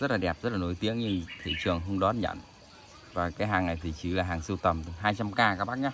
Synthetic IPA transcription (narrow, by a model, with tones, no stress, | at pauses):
zə˦˥t̚laː˨˩ɗɛ˨˩p̚zə˦˥t̚laː˨˩no˨˦jt̪i˨˦əŋɲɨ˧ŋt̪ʰḭ˧˨t͡ɕɨ˨˩əŋɦə˧wŋ͡mɗɔ˨˦˥t̚ɲə̰˧˨n | vaː˨˩kaː˨˦jɦaː˨˩ŋːa˨˩jt̪ʰi˨˩t͡ɕɨ˨˦laː˨˩ɦaː˨˩ŋsɨ˧wt̪ə˨˩mt̪ɨ˨˩ɦaː˧jt͡ɕa˧mkaː˧kaː˦˥k̚ɓaː˦˥k̚ɲa˦